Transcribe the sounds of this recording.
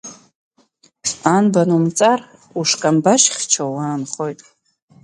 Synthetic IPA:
anbanumt͡sʼar | uʂkʼambaʃχʲt͡ʃʰawaːnχo̞jtʼ

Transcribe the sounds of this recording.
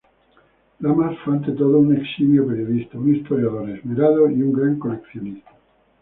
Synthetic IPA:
lamasfant̪et̪oðouneksimjopeɾjoðist̪aunist̪oɾjaðoɾezmiɾaðoiuŋɡɾaŋkolekθjonist̪ḁ

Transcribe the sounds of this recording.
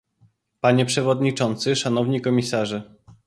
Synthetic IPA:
paɲɛpʂɛvɔd̪ɲit͡ʂɔnt̪sɘʂanɔvɲikɔmʲisaʐɘ

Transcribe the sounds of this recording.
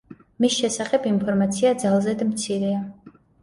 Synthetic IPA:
misʃɛsaχɛbinpʰɔɾmat̪sʰiad̪zalˠzɛd̪mt̪sʰiɾɛa

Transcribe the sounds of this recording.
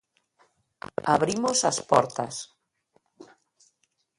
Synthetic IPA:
aβɾimosaspɔɾt̪a̰s

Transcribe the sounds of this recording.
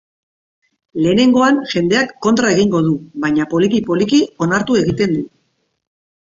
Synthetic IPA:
le̞ːne̞ŋɡo̞anʝe̞nd̪e̞akːo̞nt̪ɾae̞ɣiŋɡo̞ð̞uβajɲapo̞likipo̞likio̞naɾt̪ue̞ɣit̪e̞nd̪u

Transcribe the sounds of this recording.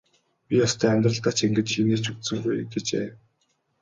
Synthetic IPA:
pʲijɔst̪ʰœːæmʲt̪rə̆ɮt̪at͡ɕeŋɡɘ̆t͡ɕʃineːt͡ɕukt̪sɘ̆ŋɡujɡet͡ɕḛː

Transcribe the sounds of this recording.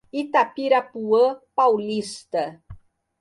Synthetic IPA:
it̪apiɾapuəpawlist̪ə

